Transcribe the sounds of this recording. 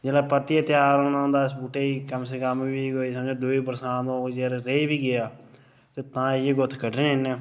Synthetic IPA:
d͡ʒeːlaːpəɾt̪iat̪ɪjaːɾõːnaɦõːnd̪aːɪs̬buːʈeːiːkəmsekəmbiːɡoːiːsəd͡ʒeːd̪uːiːpəɾsãːnd̪õːd͡ʒeːɾɾeibiːɡɪjaː | t̪et̪ãːjeːɡʊt̪ʰkəɖɾẽːɪnːẽː

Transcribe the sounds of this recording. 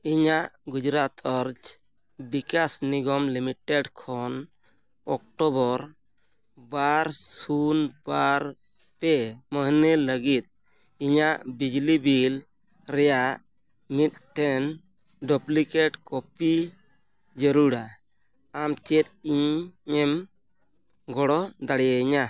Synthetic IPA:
iɲaʔɡud͡ʒɾat̪ʰɔɾd͡ʒ | bikasniɡɔmlimiʈeɖkʰɔn | ɔk̚ʈɔbɔɾ | baɾsunbaɾ | pɛməɦniləɡit̪̚ | iɲaʔbid͡ʒlibil | ɾɛjaʔ | mit̪̚ʈʰɛn | ɖɔplikeʈkɔpi | d͡ʒəɾuɽa | amt͡ʃɛt̪̚iɲɛm | ɡɔɽɔd̪aɽɛjaɲa

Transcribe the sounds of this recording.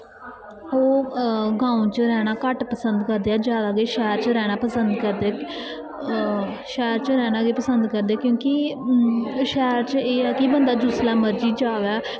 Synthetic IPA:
oːɡãːũt͡ʃəɾɛːɽ̃aːkəʈpəsənd̪kəɾd̪eːaːd͡ʒjaːd̪aːɡeːʃɛːɾt͡ʃəɾɛːɽ̃aːpəsənd̪kəɾd̪eɛː | ʃɛːɾt͡ʃəɾɛːɽ̃ãːɡeːpəsənd̪kəɾd̪eaːkjõːki | ʃɛːɾt͡ʃeːɛːkɪbənd̪aːd͡ʒʊslɛːməɾd͡ʒiːd͡ʒaːʋɛː

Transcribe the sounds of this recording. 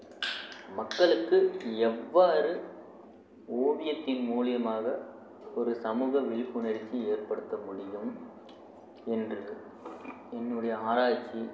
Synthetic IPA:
mɐkːɐɭɯkːɯɛʋːaːɾɯ | oːʋɪjɐt̪ːɪnmuːlɪjɐmaːɣɐ | ɔɾɯsɐmuːɣɐʋɪɭɪpːɯɳɐɽɪt͡ʃːieːrpɐɽɯt̪ːɐmʊɽɪjɯm | ɛndrɯ | ɛnːɯɽɐjɐaːɾaːt͡ʃːi

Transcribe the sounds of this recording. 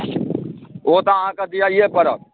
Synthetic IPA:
oːt̪aãkad̪ijajeːpɐɾa

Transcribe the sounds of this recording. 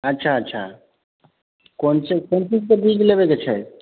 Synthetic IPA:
ətːʃʰaətːʃʰa̰ | kont͡ʃekont͡ʃizkebʱid͡ʒlebeket͡ʃʰɛ

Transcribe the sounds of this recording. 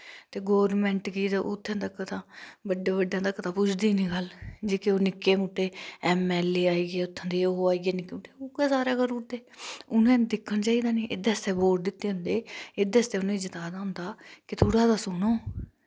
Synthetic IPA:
t̪eːɡoːʋnmɛ̃ːɳʈkiːt̪aʔot̪ʰːãːd̪aːkət̪ʰãːbəɖːaːbəɖːjãːt̪akːət̪ʰãːpʊt͡ʃʰd̪iːnĩːɡəld͡ʒeːkeoːnɪkːeːmuːʈːeːɛːmɛːleːaːiːɡeːʊt̪ʰːãːd̪eːoːaːiɡeːnɪkːeːmuːʈeːoːkeːsaːɾeːkəɾuːɾd̪eːʊnẽːd̪ɪkʰːənt͡ʃaːiːd̪aːniːʔɪd̪eːəst̪eːboːʈ̚d̪ɪt̪ːeːɦʊ̃nd̪eːɪd̪eːəst̪eːʊnãːid͡ʒət̪aːd̪aːʊ̃nd̪aːkɪt̪ʰoːɽaːd̪aːsʊnoː

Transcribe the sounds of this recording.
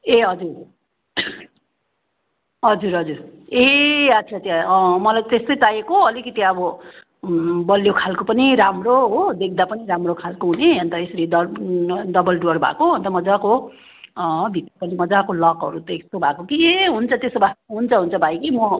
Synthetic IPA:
eɦʌd͡zur | ɦʌd͡zuɾɦʌd͡zureat͡sʰat̪jamʌlajt̪est̪ʌjt̪ajekoʌlikʌt̪iʌbʌ | bʌljokʰalkopʌniɾamroɦod̪ek̚ʰd̪apʌniɾamrokʰalkoɦuneɦʌnt̪ʌesʌɾidʌd̪ʌbʌlɖoʌrbʱa̰koɦʌnt̪ʌmʌd͡zako | bʱit̪rʌpʌnimʌd͡zakolʌkɦʌ̰ɾut̪ʌest̪obʱakokieɦunt͡sʰʌt̪esobʱaɦunt͡sʰʌɦunt͡sʰʌbʱajkimʌ

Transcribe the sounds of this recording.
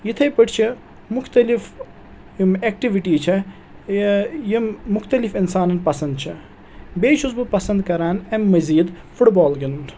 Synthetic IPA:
jit̪ʰɐjpəʈʰt͡ʃʰi | mʊxt̪ɐlif | meːk̚ʈiʋiʈiːt͡ʃʰɐ | jimʊxt̪ɐlifinsaːnɐnpɐsɐnd̪̚t͡ʃʰɐ | beːt͡ʃʰuzbɨpɐsɐnd̪kɐɾaːnɐmːɐziːd̪ | fuʈbɔːlɡɪnun

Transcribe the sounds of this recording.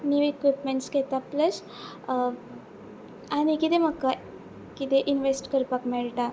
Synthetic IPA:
njuekʋipmeɳʈsket̪apləs | añikit̪em̤əkːa | kit̪eʔinʋesʈkəɾpakmɛɭʈa

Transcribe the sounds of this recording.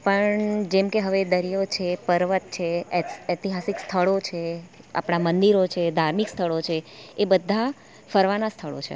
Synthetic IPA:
pəɳd͡ʒemkeɦəʋed̪əɾijot͡ʃʰepəɾʋət̪̚t͡ʃʰeɛɛt̪iɦasikst̪ʰəɭot͡ʃʰe | a̰pɽ̃amənd̪iɾot͡ʃʰed̪ʱaɾmikst̪ʰəɭot͡ʃʰeːbəd̪ʱːa | fəɾʋanast̪ʰəɭo̰t͡ʃʰḛ

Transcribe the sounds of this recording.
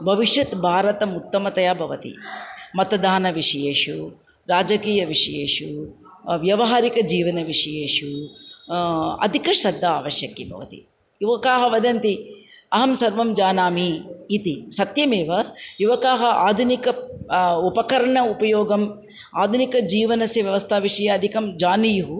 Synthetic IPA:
bʱɐʋiʂjɐt̪bʱaːɾɐt̪ɐmut̪ːɐmɐt̪ɐjaːbʱɐʋɐt̪ḭmɐt̪ɐd̪aːnɐʋiʂɐjeːʂu | ɾaːd͡ʒɐkiːjɐʋiʂɐjeːʂu | ʋjɐʋɐɦaːɾikɐd͡ʒiːʋɐnɐʋiʂɐjeːʂu | ɐ̰d̪ʱikɐʃɾɐd̪ʱːɐaːʋɐʃjɐkːibʱɐ̰ʋɐt̪ḭ | juʋɐkaːɦɐʋɐd̪ɐnt̪i | ɐɦɐmsɐɾʋɐmd͡ʒaːnaːmiːt̪isɐt̪jɐmeːʋɐjuʋɐkaːɦɐʔaːd̪ʱunikɐ | upɐkɐɾɐɳɐupɐjoːɡɐm | aːd̪ʱunikɐd͡ʒiːʋɐnɐsjɐʋjɐʋɐst̪ʰaːʋiʂɐjɐːd̪ʱikɐmd͡ʒaːnijuɦu

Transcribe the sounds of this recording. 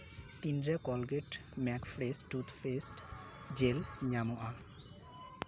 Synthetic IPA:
t̪indɾekɔlɡeʈmɛkfɾesʈut̪fʰesʈ | d͡ʑelɲamoʔa

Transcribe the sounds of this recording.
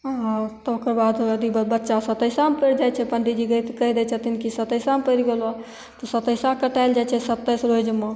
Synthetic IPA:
ɦãt̪ɔokəɾbad̪əd̪ibəbətːʃasət̪əjsampəjɾd͡ʒajt͡ʃʰɛpəɳɖid͡ʒiɡəjt̪kəɦid̪ɛt͡ʃʰət̪inkisət̪əsampəjɾɡela | t̪ɔsət̪əjsakəʈajld͡ʒajt͡ʃʰɛsət̪ːəjsɾod͡ʒme

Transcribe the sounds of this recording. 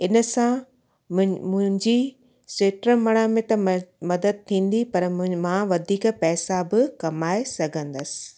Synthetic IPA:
ɪnə̆sã | mʊ̃ɦɪ̃ɲd͡ʑi | seːʈɾəmɐɽ̃amẽt̪ɐmɐd̪əd̪̚t̪ʰĩːn̆d̪ipɐɾmãʋɐd̪ʱiːkpɛːsabɪkɐmaːesɐɡʱə̃nd̪əsɪ̥

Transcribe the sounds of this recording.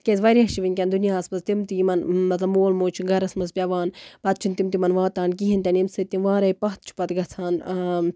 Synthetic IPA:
kʲezʋɐɾʲiɦɐʃiʋinʲkʲɐnd̪unijaːsmɐzt̪imt̪iimɐnmɐt̪lɐmoːlmoːt͡ʃʰiɡɐɾɐsmɐzpʲjɐʋaːnpɐt̪̚t͡ʃʰint̪imt̪imɐnʋãːt̪aːnk̬iɦint̪ɐnimsɨt̪imʋãːɾɐjpɐɦt̪̚t͡ʃʰu̥pɐt̪ɡɐt͡sʰaːn

